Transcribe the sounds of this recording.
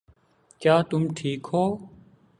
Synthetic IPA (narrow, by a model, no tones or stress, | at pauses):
kjaːt̪ʊmʈʰiːkɦoː